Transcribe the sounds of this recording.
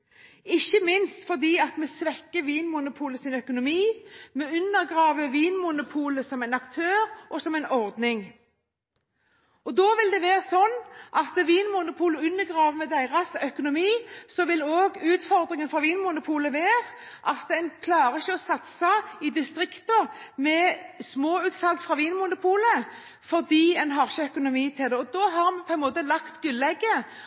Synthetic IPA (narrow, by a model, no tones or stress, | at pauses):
ɪçːəmɪnst̪fɔʁd̪iːɑt̪meːsʋɛkːəʋiːnmʊnʊpʰuːləsɪnœkʊnʊmiːmeːʉnːəʁɡʁɑːʋəʋiːnmʊnʊpʰuːləsɔmæɪnɑkt̪ʰøːɾʔɔsɔmɛɪnɔʁd̪nɪŋ | ɔd̪oːʋɪld̪ɛʋeːʁsɔnːʔɑt̪əʋiːnmʊnʊpʰuːləʉnːəʁɡʁɑːʋəmɛd̪æɪʁɑsœkʊnʊmiːsɔʋɪloːɡʉːt̪fɔʁd̪ʁɪŋənfɾɑʋiːnmʊnʊpʰuːləʋeːʁ | ʔɑt̪ɛnkʰlɑːʁəɪçəɔsɑt̪sɑɪd̪ɪst̪ʁɪkt̪ʊmɛsmoːʉːt̪sɑlkt̪fʁɑʋiːnmʊnʊpʰuːlə | fɔʁd̪iːɛnɦɑʁçəœkʊnʊmiːt̪ʰɪld̪ɛɔd̪oːɦɑʁmɛpʰɔɛnmoːt̪əlɑkt̪ɡʉlːɛɡːə